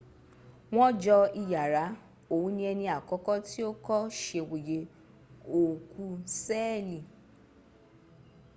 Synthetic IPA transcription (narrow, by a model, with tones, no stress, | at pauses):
w̃ɔ̃˦d͡ʒɔ˧i˧ja˨ɾa˨˦ | o˨wũ˨˦nĩ˧˦ɛ˧nĩ˧a˨kɔ˨˦kɔ˦ti˦o˦kɔ˦ʃe˧˨wo˨je˨˦ | o˨ku˧sɛ˦li˨